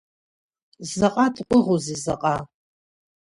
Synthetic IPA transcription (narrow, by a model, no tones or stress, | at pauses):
zɐqʼatʰqʷʼʊʁuzizɐqʼa